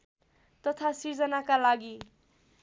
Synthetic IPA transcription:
t̪ʌt̪ʰasird͡zʌnakalaɡi

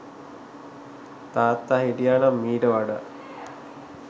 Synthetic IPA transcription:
t̪aːt̪ːaːɦiʈijaːnamːiːʈəʋaɖə̰

